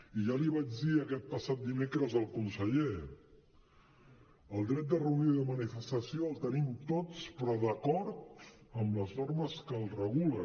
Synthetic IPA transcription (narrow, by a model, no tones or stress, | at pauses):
iʒaliβad͡ʒðiəkɛt̪̚pəsat̪̚d̪imekɾəzəlˠkunsəʎe | əlˠd̪ɾɛt̪̚d̪ərəuniðəmənifəst̪əsioəlˠt̪ənimt̪ot͡spɾɔðəkɔɾt̪̚əmləznoɾməskəlˠrəɣulə